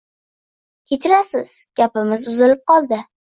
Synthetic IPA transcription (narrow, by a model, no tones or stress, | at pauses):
kʲʰet͡ʃɪɾasɪz̥ɡ̥ʲapɪmɪzʊzɪlɪp̚qɒlˠd̪ɪ